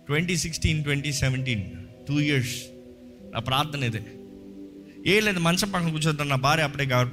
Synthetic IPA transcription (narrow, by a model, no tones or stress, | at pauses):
ʈwʋɛɳʈisɪksʈĩnʈwɛɳʈisɛʋɛɳʈ̬iːnʈuːjiɐɾs | nʔa̰ːpɾaːɾt̪ɐnɐɪðɯ | eːɪlɐɪnd̪ɐmɐnsɐpːaːkɐ̃nkuːt͡ʃ̬ɐt̪ːãːnaːbaːɾeɐpːɐɽeːɡaʋɾp